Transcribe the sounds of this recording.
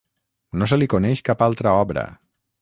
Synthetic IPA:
nosəlikunɛʃkapalˠt̪ɾəɔβɾə̰

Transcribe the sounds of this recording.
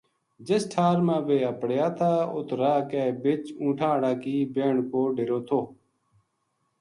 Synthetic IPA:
d͡ʒɪsʈʰaːɾmãːʋeːəpɽjaːt̪ʰaːʊ̰t̪ɾaːkɛːbɪt͡ʃũːʈʰãːɽaːkiːbeːɳkoːɖeɾoːt̪ʰoː

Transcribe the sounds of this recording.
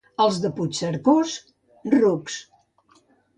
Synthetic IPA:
əlˠzðəput͡ʃsəɾkos | ruks

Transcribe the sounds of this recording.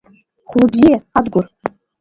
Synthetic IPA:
χʊlˠɨbzʲiad̪ɡʷʊr

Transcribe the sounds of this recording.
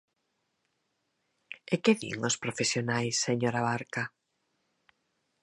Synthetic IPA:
ekɪðḭŋospɾofesjonajsːeɲoɾaβaɾka

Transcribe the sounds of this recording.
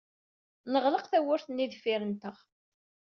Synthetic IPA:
nəʁləqθæwʊɾθənːiðfiɾənt̪əʁ

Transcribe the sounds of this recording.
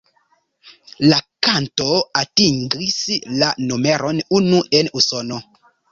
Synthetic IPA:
lakantoatiŋɡislanomeɾɔnunuenusɔnɔ

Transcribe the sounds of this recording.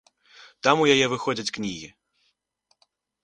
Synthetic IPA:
t̪amujajɛvɨxɔd͡zʲɐt͡sʲknʲiɣʲi

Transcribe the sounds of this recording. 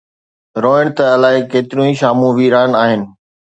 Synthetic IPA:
ɾoːɪɽ̃t̪ɐɐlaːɦɪkeːt̪ɪɾjũĩʃaːmũʋiɾaːənaːɦɪnɪ̆

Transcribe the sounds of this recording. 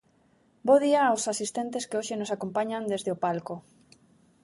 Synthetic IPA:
boðiaosasist̪ent̪eskeoʃenosakompaɲand̪ezðeopalko

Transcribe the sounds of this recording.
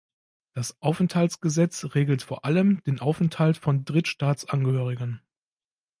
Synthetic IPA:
d̥asʔaʊfɛnthaltt͡ssɡ̥əzɛt͡sʁeːɡl̩tfoːɐʔaləmd̥eːnʔaʊfɛnthaltfɔndʁɪtʃtaːt͡sʔanɡəhøːʁ̞ɪɡən

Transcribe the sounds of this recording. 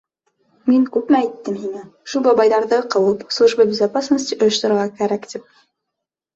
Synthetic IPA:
miŋkʉp̚mææjt̪ːɘmɦinɘʃulˠbɑbɑjðɑɾðɤqɤ̆w̪ˠɤpslˠɤ̆ʒbɤbʲɘzapasnəs̬ʲt̪ʲiʔŏjɤ̆ʃt̪ŏɾŏɾʁɑkæɾækt̪ip̚

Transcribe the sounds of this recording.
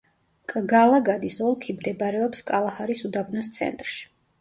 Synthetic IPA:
kʼɡalˠaɡad̪isɔlˠkʰimd̪ɛbɾɛɔpskʼalˠahaɾisud̪abnɔst̪sʰɛ̰nt̪ʼɾʃi̥

